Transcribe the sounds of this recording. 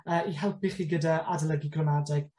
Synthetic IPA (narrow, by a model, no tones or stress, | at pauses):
əːiɦɛlˠp̚ʰiχiːɡədaʔadalˠəɡiɡrɔmadɛɡ̥